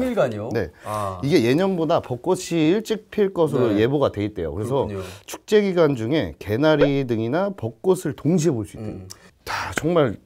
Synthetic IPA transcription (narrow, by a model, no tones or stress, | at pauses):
iɡaɲone̞̰iɡe̞je̞ɲʌnbodapʌk̚k͈ot͡ɕʰiɭt͡ɕ͈ik̚pʰiɭk͈ʌs̬ʰɯɾoje̞boɡadwe̞it̚t͈we̞jo̰kɯɾe̞s̬ʰʌt͡ɕʰu̥k̚t͡ɕ͈e̞ɡiɡwand͡ʑuŋe̞ke̞naɾidɯŋinapʌk̚k͈osʰɯɭtoŋɕʰiɦe̞boɭs͈uitwḛjo | tat͡ɕʌŋmaɭ